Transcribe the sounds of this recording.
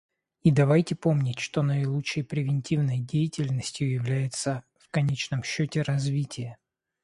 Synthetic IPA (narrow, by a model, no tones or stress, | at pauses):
id̪ɐvajtʲɪpo̞mnʲɪtʲʂt̪o̞nəɪlˠuəjpɾʲɪvʲɪnʲtʲivnəjdʲejɪtʲɪlʲnəsʲtʲjʊjɪvlʲæjɪt̪sə | fkɐnʲet͡ɕnəmɕːotʲɪɾɐzvʲitʲɪjə